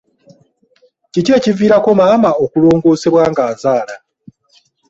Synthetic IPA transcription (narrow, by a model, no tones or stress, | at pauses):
cice̞ːciviːɾako̞maːmao̞kulo̞ːŋɡo̞ːse̞βwaːŋɡaːzaːla